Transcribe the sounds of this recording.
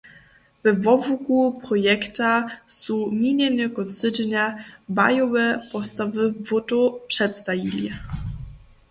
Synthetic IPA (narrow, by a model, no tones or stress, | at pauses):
vɛvɔvukupɾɔjɛkt̪asumʲiɲʲɛnʲɛkɔsɘd͡ʒɲaba̰jɔwɛpɔst̪avɘvut̪upʂɛt̪st̪avʲilʲi